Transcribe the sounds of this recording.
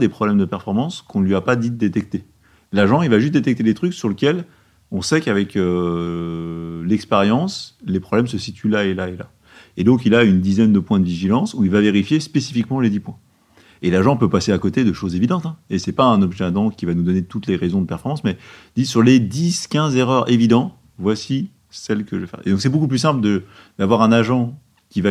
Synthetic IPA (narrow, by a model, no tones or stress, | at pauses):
d̪epχɔblɛmd̪əpɛʁfɔʁmɑ̃skʰɔ̃lɥiapad̪id̪et̪ɛk̚t̪e | laʒɑ̃ilvaʒyst̪̚d̪et̪ɛk̚t̪ed̪et̪χyksyʁləkʲɛl | ɔ̃sɛkavɛkø | lɛkspeʁjɑ̃slepχɔblɛmsəsit̪ʰylaelaela | ed̪ɔ̃k̬ilaynd̪izɛnd̪əpwɛ̃d̪əviʒilɑ̃suilvaveʁifjespesi̥fikmɑ̃led̪ipwɛ̃ | elaʒɑ̃pøpaseakot̪ed̪əʃozevid̪ɑ̃t̪ɛ̃esɛpaɛ̃nɔbʒɛɛ̃d̪ɑ̃kʲivanud̪ɔnet̪ut̪leʁezɔ̃d̪əpɛʁfɔʁmɑ̃smɛd̪isyʁled̪iskʲɛ̃zeʁœʁevid̪ɑ̃ | vwasi | sɛlkəʒəfɛ̰ʁḛd̪ɔ̃ksɛbokup̬lys̬ɛ̃pld̪ə | d̪̥avwaʁɛ̃naʒɑ̃ | kʲiva